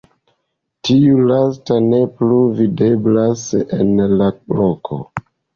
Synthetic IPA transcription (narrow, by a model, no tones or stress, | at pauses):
tiulastane̞pluvide̞blasḛnlablokʰo̰